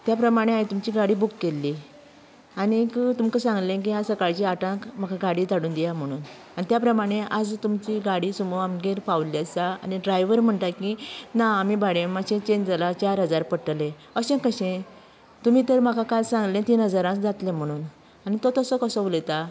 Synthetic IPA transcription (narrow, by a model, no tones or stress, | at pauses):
t̪japɾəmaɽ̃eait̪umt͡ɕiɡaɽiːbukːelːi | añikt̪umkəsãŋɡlẽk̬iasəkaɭt͡ɕiaʈãkm̤akʰaɡaɽiːt̪aɽuːnd̪ijam̤əɽ̃uːn | anit̪japɾəmaɽ̃eʔad͡zt̪umt͡ɕiɡaɽisumoamɡeɾpaʋliasaa̰niɖɾajʋəɾm̤əɳt̪akinaːmibaɽẽməɕẽt͡ɕẽɲd͡zalat͡ɕaɾɦəd͡zaɾpəʈlẽ | əɕẽkəɕẽ | t̪um̤iːt̪əɾm̤akʰakalsãŋɡlẽt̪iːnɦəd͡zaɾãd͡zat̪lẽm̤əɽ̃uːn | añit̪ɔt̪əsəkəsəulet̪a